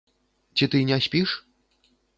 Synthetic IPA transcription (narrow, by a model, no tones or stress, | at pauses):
t͡sʲit̪ɨnʲasʲpʲiʂ